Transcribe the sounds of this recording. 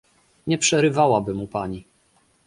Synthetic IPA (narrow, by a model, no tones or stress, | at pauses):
ɲɛpʂɛɾɘvawabɘmupaɲi